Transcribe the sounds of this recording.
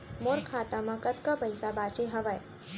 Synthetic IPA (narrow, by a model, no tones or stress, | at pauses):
moɾkʰaːt̪amãkɐt̪kapɐjsabaːt͡ʃeɦɐʋəe